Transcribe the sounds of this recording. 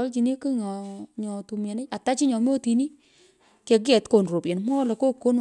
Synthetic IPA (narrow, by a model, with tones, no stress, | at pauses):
ɔ˨˦lt͡ʃi˨ni˦kɨ˦ɲɔ˨ɲɔ˨tu˨mɛ˨ne˦a˨ta˦t͡ʃi˦ɲɔ˨m˦o˦ti˨ni˦ | ke˨ɡ̬ɛ˨tko˨nɾo˨pje˨nmɔ˦le˨ko˦ko˦n